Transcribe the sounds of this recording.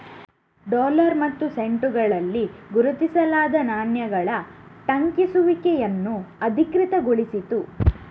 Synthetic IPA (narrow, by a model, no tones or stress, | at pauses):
ɖɔːlɐɾmɐt̪ːuse̞ɳʈuɡɐɭɐlːiɡuɾut̪isɐlaːd̪ɐnaːnjɐɡɐɭɐʈɐŋkisuʋikɛjɐnːuɐd̪ʱikɾit̪ɐɡoɭisit̪u